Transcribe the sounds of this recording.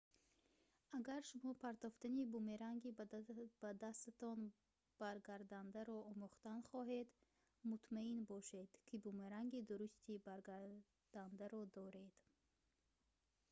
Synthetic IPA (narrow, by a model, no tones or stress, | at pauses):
aɡaɾʃumɔpʰaɾt̪ɔft̪anibumeɾaŋɡib̥ad̪ast̪at̪ɔn | b̥aɾɡaɾd̪and̪aɾɔɔmuχt̪anχɔɦe̞d̪ | mut̪ʰmainbɔʃe̞d̪̥kʰibumeɾaŋɡid̪uɾust̪ibaɾɡa | d̪̥and̪aɾɔd̪ɔɾe̞d̪̥